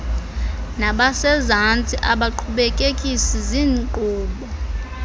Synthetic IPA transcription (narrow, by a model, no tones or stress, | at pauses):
naɓasɛzant͡sʼiʔaɓaǃʰuɓekʼekʼisiziːnǃuːɓɔ